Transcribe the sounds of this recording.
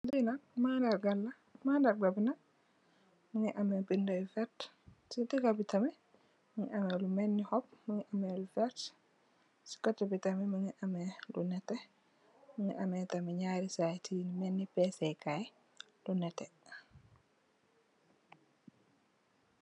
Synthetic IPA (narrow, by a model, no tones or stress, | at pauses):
lijnanmandaɾɡalːa | mandaɾɡabina | miŋɛʔamɛbindajfɛɾt | sitikabitamɛ | miŋɛ̰ʔamɛlumenːihɔpmiŋɛʔamɛlufɛɾt | si̥katabitamɛmiŋɛʔamɛlunɛtɛ | miŋɛ̰ʔamɛtamɛɲaɾisatʰinimɛnːipɛsɛjkajɛ | lunɛtɛ